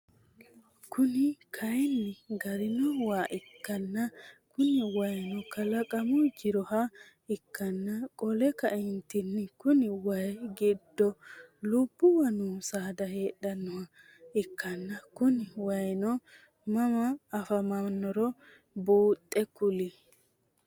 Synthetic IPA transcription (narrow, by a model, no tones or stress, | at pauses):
kʊnɪkʰɐjnːɪɡɐɾɪnɔwaːʔɪkːɐnːɐkʊnɪwɐjnɔkɐlɐkʼɐmʊd͡ʒɪɾɔhɐ | ɪkːɐnːɐkʼɔlɛkɐʔɪnt̪ɪnːɪkʊnɪwɐjɡɪd̪ːɔlʊb̥ːʊwɐnuːsaːd̪ɐhe̞ːɗɐnːɔhɐ | ɪkːɐnːɐkʊnɪwɐjnɔ | mɐmɐːfɐmɐnːɔɾɔ | buːt̪ʼːɛkʊlɪ